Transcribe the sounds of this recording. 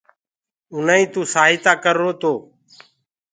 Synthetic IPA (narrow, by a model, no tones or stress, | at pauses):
ʊnaːĩːt̪ũːsaːɦɪt̪aːkəɾːoːt̪oː